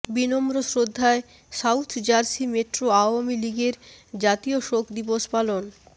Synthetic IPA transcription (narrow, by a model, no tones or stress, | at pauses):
binomɾosɾod̪ʱːae | sawt̪ʰd͡ʑaɾsimeʈɾoaoamiliɡeɾd͡ʑat̪ioʃokʰd̪iboʃpalon